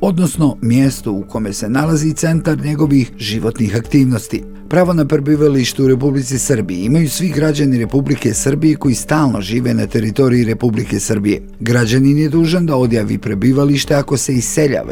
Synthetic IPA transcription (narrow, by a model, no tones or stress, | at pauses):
o̞d̪no̞sno̞mje̞st̪oukʰo̞me̞se̞nalazit̪se̞nt̪aɾɲe̞ɡo̞ʋixʒiʋo̞t̪nixakt̪iːʋno̞st̪ḭ | pɾaːʋonapɾebiʋaliʃt̪uuɾe̞p̬ublit̪sisɾ̩bijeimajusʋiɡɾad͡ʑaniɾe̞publike̞sər̩bije̞ko̞jist̪aːlˠno̞̰ʒiːʋe̞nat̪e̞ɾit̪o̞ɾiiɾe̞publike̞sər̩bije̞̰ | ɡɾad͡ʑaninje̞d̪uːʒand̪ao̞d̪jaːʋḭpɾe̞biːʋaliʃt̪eako̞se̞ise̞ʎa̰ʋa̰